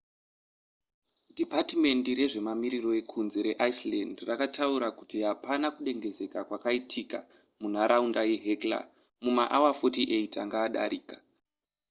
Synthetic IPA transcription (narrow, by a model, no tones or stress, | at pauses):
dipatime̞ndiɾe̞ʐe̞mamiɾiro̞e̞kʰunze̞ɾe̞ʔaislandrakatʰauɾakutiɦapanakuɗe̞ŋɡe̞ze̞kakwakaitʰika̰ | mun̤aɾʔaundajeɦekla̰ | mumaʔawafo̞tiʔeita̰ŋɡaːɗa̰ɾiːkḁ